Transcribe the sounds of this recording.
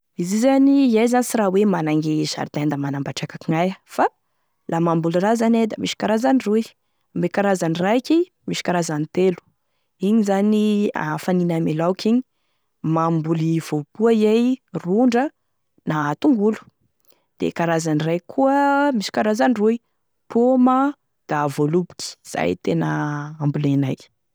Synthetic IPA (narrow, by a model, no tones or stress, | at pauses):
izizaniizajzanisiɾawemanaŋɡeza̰ɾt̪and̪əmanambaʈ͡ʂakakiŋajəfa | lamambulirazaned̪amiʃi̥kaɾazaniruj | ambekaɾazanirajkʲi | miʃi̥kaɾazanit̪elu̥ | iɲizania̰faninamelawkʰʲiɲi | mambuliv̥opuaiejruɳɖ͡ʐə | nat̪uŋɡulu̥ | d̪̥ḛkaɾazanirajkʰuəmisi̥kaɾazaniruj | puma | d̪̥avolubu̥kʲi̥z̥a̰ḭt̪enəambulanaj